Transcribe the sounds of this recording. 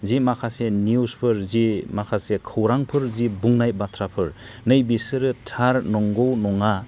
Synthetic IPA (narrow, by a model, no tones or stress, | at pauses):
zimakʰaseniuspʰɯɾzimakʰasekʰɯwɾaŋpʰɯɾzibuŋnaj̚batʰɾapʰɯɾ | nɯjbisɯɾɯtʰaɾnɔŋɡɔwnɔŋa